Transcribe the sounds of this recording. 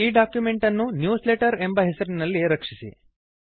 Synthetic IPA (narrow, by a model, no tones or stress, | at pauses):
iːɖaːkjume̞ɳʈɐnːunjuːsleːʈɐɾe̞mbɐɦesɐɾinɐlːiɾɐkʂisḭ